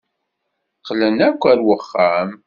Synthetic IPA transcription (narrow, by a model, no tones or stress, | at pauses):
qːlənækʷːæɾwəχːam